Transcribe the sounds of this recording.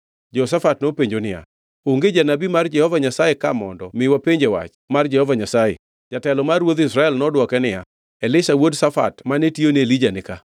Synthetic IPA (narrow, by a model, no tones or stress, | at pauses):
d͡ʒɔs̬afatnopeɲd͡ʒonɪja̰ | oŋɡed͡ʒanabimard͡ʒɛhɔvaɲasajekamɔndɔmɪwapeɲd͡ʒewa̰t͡ʃ | mard͡ʒɛhɔvaɲasajḛ | d͡ʒatɛlɔmarwod̪isɾaɛlnɔdwɔkɛnɪja | ɛlɪʃawodsafa̰tmanetionelid͡ʒanɪka